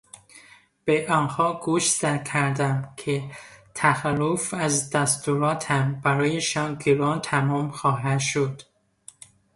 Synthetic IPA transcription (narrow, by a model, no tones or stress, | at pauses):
b̥eʔɒːnhɒːɡuʃsækʰæɾd̪æmkʰet̪ʰæxælːofæzd̪æst̪uɾɒːt̪ʰhæmbæɾɒːjeʃɒːnɡeɾɒːnt̪ʰæmɒːmxɒːɦæd̪ʃod̪̥